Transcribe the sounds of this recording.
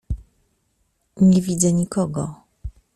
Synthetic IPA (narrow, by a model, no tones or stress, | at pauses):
ɲɛvʲid̪zɛɲikɔɡɔ